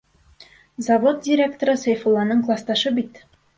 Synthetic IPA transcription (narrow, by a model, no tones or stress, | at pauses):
zɐvot̪̚dʲɪɾʲe̞k̚t̪oɾɤsejfolˠːɑnɤɴklˠɑst̪ɑʃɤbit̪